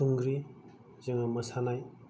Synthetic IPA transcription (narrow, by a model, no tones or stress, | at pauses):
uŋɡɾi | zɯŋaməsanaj